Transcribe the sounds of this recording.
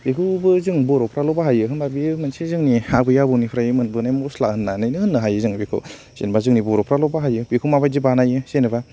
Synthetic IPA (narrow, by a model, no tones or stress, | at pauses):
bikʰubɯzɯŋbɔɾopʰɾalɔbaɦajɯkʰɯnbabimansizɯŋniabɯjabunipʰɾajɯmɯnbɯnajmɔslak̚hɯnːanɯjnɯhɯnːɯɦajɯzɯŋbikʰɯ̰w | sḛnbazɯŋniboɾopʰɾalɔbaɦajɯbikʰumabajzɯbanajɯsenɯba